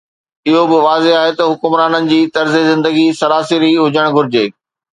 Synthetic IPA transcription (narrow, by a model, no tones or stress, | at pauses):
ɪɦobɪʋaːzeɦaːɦet̪ɐɦʊkʊmɾaːnənɪ̆d͡ʑiːt̪ɐɾzezɪ̃nd̪əɡisɐɾaːsiɾiɦʊd͡ʑəɽ̃ɡʱʊɾɪd͡ʑeː